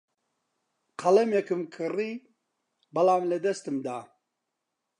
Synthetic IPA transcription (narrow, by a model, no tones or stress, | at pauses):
qʰɐlɐmjɛkɨmkʰɨriː | bɐlaːmlɨd̪ɐst̪ɨmd̪aː